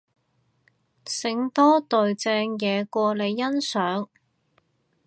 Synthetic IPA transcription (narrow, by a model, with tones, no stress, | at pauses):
sɪ˨˧˥ŋt̪ɔː˥t̪ɵ˨ɥt͡sɛː˧ŋjɛː˨˧kʷɔː˧le˨˧jːɐ˥nsœː˨˥ŋ